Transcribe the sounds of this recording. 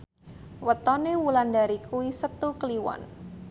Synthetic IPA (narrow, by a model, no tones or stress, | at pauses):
wət̪ɔnewulandaɾikuwisət̪ukəliwɔ̰n